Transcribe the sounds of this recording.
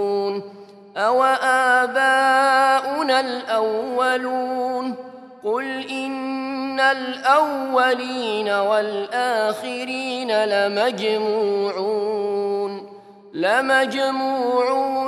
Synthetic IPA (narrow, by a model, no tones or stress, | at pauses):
n | ʔawaʔaːbaːʔʊnalʔawːaluːn | qʊlʔɪnːalʔawːaliːnawalʔaːxɪɾiːnalamad͡ʒmuʕu | n | lamad͡ʒmuːʕuː